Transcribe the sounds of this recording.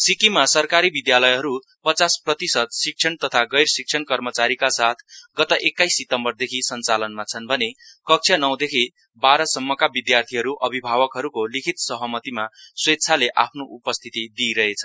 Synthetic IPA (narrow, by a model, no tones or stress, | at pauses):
sikimasʌrkaɾibid̪jalʌjɦʌɾu | pʌt͡sasprʌt̪isʌt̪̚sik̚t͡sʰʌnt̪ʌt̪ʰaɡʌjrsik̚t͡sʰʌnkʌrmʌt͡saɾikasat̪ʰɡʌt̪ʌʔekːajsːit̪ʌmbʌrd̪ekʰisʌnt͡salʌnmat͡sʰʌnbʱʌnekʌk̚t͡sʰjʌnʌw̃d̪ekʰi | baɾʌsʌmːʌkabid̪jart̪ʰiɦʌɾuʔʌbʱibʱaβʌkɦʌɾukolikʰit̪sʌɦʌmʌt̪imaswet̪ːt͡sʰaleʔa̰pʰnoʔupʌst̪ʰit̪id̪iɾʌɦet͡sʰʌ